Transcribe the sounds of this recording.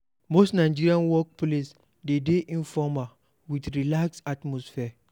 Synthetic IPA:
mosnaɪd͡ʒiɾiãnwɔk̚ples | dedeʔĩnfɔma | witɾilaksatmɔsfi

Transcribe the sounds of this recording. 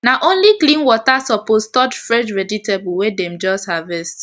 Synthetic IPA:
naʔõnliklĩnwɔtasɔpostɔd͡ʒfɹɛd͡ʒɹɛditebwedɛmd͡ʒɔsthavɛst

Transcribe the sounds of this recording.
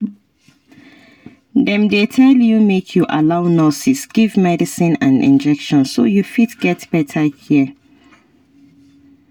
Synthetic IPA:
dɛ̃mdetʰɛljumekʰjuʔalaʊnɔsisɡ̥ivmɛdisĩnãnḭ̃nd͡ʒɛkʃɔ̃nso̰jufitɡ̥ɛtb̥ɛtʰəhiə

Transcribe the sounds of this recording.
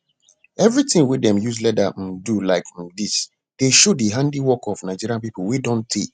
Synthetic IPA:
ɛvɹitɪ̃ŋwidɛ̃mjuz̬lɛdadulaɪkdis | d̥eʃodiɦãndiwɔkɔvnaɪd͡ʒiɾiãnpip̩widõntʰe

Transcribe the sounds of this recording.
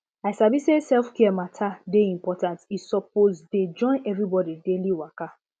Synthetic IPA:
aɪsabisesɛlfkiɛmatʰadeĩmpɔtãntisɔp̚ozded͡ʒɔ̃ɪ̃nɛvɾibɔdideliwaka

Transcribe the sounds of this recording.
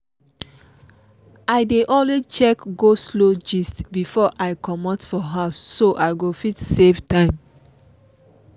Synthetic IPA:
aɪdeʔɔlwet͡ʃɛkɡoslod͡ʒistbifɔʔaɪkʰɔmɔtfɔɦaʊsːoʔaɪɡofitseftãɪ̃m

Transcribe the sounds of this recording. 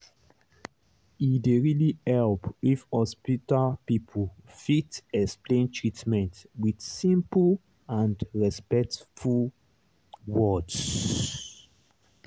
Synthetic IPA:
ideɹilihɛlpifhɔspitalpipʰəlfitɛksplẽntʰɹitmɛ̃ntwid̥sĩmpl | ãndɹɛspɛktful | wɔds

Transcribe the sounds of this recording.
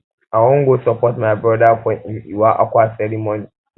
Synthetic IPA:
ʔawɔŋɡʷosɔpɔtmajbɾɔdakʷɔʔɪʔɪwaːʔa̰kʷaːsɛɾimɔni

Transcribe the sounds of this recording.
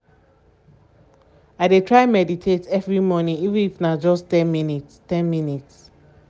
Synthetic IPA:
aɪdetʰɹaɪmɛditʰetɛvɹimɔnĩŋivɨ̃nifnad͡ʒɔstɛ̃nminitstɛ̃nminits

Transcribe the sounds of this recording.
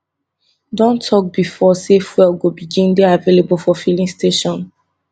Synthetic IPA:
dɔ̃ntʰːɔk̚bifɔsefwɛlɡobiɡĩndeavelebulfɔfilĩŋstʰeʃɔ̃n

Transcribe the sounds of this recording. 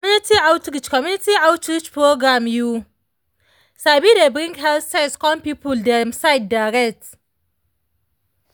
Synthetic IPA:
unitʰiawtɾit͡ʃkɔmjunitiawtɾit͡ʃpɾoɡɾamju | sabidebɾĩŋkɦɛlsaskɔmpipuldɛmsajd̚daɾɛt

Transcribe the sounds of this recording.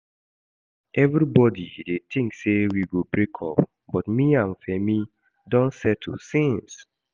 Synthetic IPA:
ʔɛvɹibɔdidet̪ɪ̃ŋksewiɡobɹekʰɔ̰p | bɔtmiãɱfɛmi | dɔ̃nsɛtʰṵsĩns

